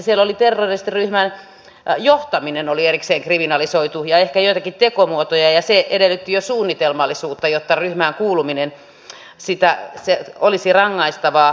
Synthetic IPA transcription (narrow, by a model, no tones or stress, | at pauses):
sielolit̪erːerst̪iryhmæn | joht̪ɑminenolierikseːŋkriminɑlisoit̪ujɑehkæjoit̪ɑkitt̪ekomuot̪ojɑjɑseʔedelːyt̪ːijosuːnːit̪elmɑlːisuːt̪ːɑjot̪ːɑryhmæːŋkuːluminen | sit̪æseolisirɑŋːɑist̪ɑʋɑː